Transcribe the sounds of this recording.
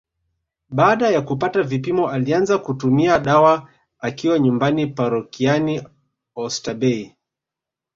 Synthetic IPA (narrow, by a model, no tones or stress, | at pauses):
ɓaːɗajakupatavipimɔalianzakutumiaɗawa | akiwaɲumbanipaɾɔkiani | ɔstaɓɛi